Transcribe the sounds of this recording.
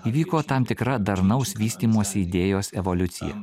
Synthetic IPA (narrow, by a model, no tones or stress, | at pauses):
iːʋʲiːkoːt̪ɑmt̪ʲɪkɾɐd̪ɐɾnɐʊsʋʲiːsʲt̪ʲiːmuɔsʲɛid̪ʲeːjoːsɛʋolʲʊt̪sʲɪ̰jɛ̰